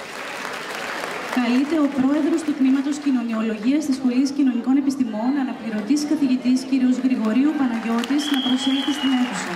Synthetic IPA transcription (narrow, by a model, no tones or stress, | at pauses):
kɐlit̪e̞o̞pɾo̞e̞ðɾo̞st̪ut̪nimɐt̪o̞scino̞nio̞lo̞ʝiɐst̪isxo̞liscino̞niko̞ne̞pist̪imo̞nɐnɐpliɾo̞t̪isi̥kɐθiʝit̪isciɾio̞zɣɾiɣo̞ɾiupɐnɐʝo̞t̪iznɐpɾo̞selθist̪ine̞θusɐ